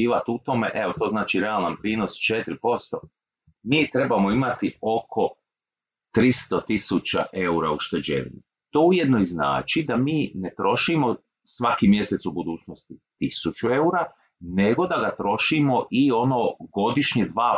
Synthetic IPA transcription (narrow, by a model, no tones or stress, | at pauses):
iːʋat̪ut̪o̞me̞̰ʔeot̪o̞znaːt͡ʃiɾealˠnanpɾiːno̞st͡ʃe̞t̪ɾipo̞st̪o̞̰ | miːt̪ɾe̞bamo̞imat̪io̞kʰo̞ | t̪ɾist̪o̞t̪isut͡ɕa̰ʔe̞uɾauʃt̪ed͡ʑḛʋḭnḭ | t̪o̞ːuje̞d̪nojzna̰ːt͡ʃid̪amiːne̞t̪ɾo̞ʃimo̞ | sʋakimje̞se̞t̪subud̪uːt͡ʃno̞st̪it̪isut͡ʃue̞uɾa | neɡo̞d̪aɡat̪ɾo̞ʃimo̞ʔio̞no̞ɡo̞d̪iʃɲed̪ʋaː